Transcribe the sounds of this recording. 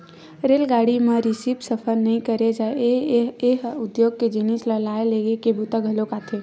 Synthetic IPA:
ɾelɡaɽimẽɾisipsəpʰəɾnəɦĩkəɾed͡ʒaeeɦud̪joɡ̚ked͡ʒinisləlaeleɡekebut̪əɡʱəlokat̪ʰe

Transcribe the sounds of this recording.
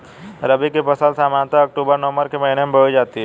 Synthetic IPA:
ɾɐbikepɐsalsaːmaːnt̪aɐk̚ʈuːbəɾnɔːməɾkemɐɦɪnjmbʱəid͡ʒaːt̪iɦɛ

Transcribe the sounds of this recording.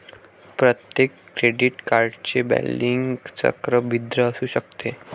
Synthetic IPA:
pɾət̪jekːɾeɖiʈkaɾɖt͡ɕebæ̰liŋɡt͡sə̰kɾəbid̪ɾəːsuːɕəkt̪ʰe

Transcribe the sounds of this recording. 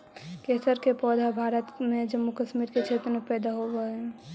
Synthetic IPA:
keːsəɾkepɔːd̪ʱabʱaːɾət̪mẽd͡ʒəmːukəʃmiɾket͡ʃʰet̪ɾəmepɛːd̪aɦobəɛ̃

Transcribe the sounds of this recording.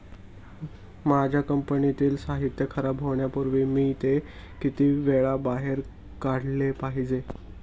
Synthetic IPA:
mad͡ʑʱjakəmpənit̪iːlsaɦit̪jəkʰəɾabɦoɳjapəɾʋiːmiːt̪e | kit̪iːʋeɭabaɦeɾ | kaɽlepaɦid͡ze

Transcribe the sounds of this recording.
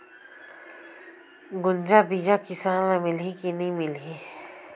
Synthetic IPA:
ɡʊnd͡ʒabid͡ʒakɪsaːnamɪlikinɐĩmɪlɦi

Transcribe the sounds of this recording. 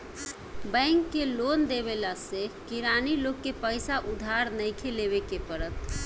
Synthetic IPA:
bə̃ŋkːelond̪eβelasekiɾanilokːepəjsaʔud̪ʱaɾnəjkʰeleβekepəɾət̪

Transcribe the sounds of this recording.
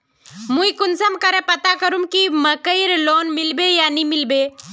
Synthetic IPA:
muikʊnsəmkəɾepɐt̪akəɾumkiməkəiɾloːnmɪlbejanimilbeː

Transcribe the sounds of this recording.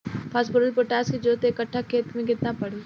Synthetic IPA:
pʰaːsbʊɾəlpoʈaːskid͡ʒot̪ːɪkəʈʰːakʰeːt̪mẽkɪt̪napɐɽ̤iː

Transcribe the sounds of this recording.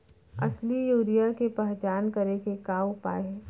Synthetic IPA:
ɐ̰slijuːɾijakepɛɦt͡ʃaːnkɐɾekekaːwpa̰ːe

